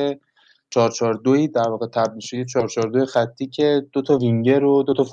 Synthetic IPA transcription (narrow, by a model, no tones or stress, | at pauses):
e | t͡ʃʰɒːɾt͡ʃʰɒːɾd̪oiːd̪æɾvɒːɣet̪ʰæb̪ilʃod̪it͡ʃʰɒːɾt͡ʃʰɒːɾd̪ojexæt̪ʰːiːcʰe̞d̪̥ot̪ʰɒviŋɟeɾod̪o̞t̪ʰɒf